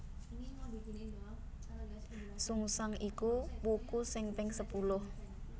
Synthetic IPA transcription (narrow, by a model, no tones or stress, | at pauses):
suŋsaŋikubukusɪŋpɛŋsəpulʊh